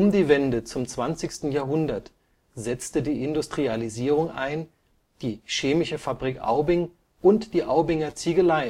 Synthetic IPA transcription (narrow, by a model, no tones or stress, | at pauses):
ʊmdiːvɛndət͡sʊmt͡sv̥ant͡sɪçstn̩jaɐɦʊndɐt | zɛt͡stədiːʔɪndʊstʁ̥ializiːʁʊŋʔa̰ɪn | d̥iːʃeːmɪʃəfabʁikʔa̰ʊbɪŋ | ʔʊntd̥iːʔaʊbɪŋɐt͡siɡəlaɪ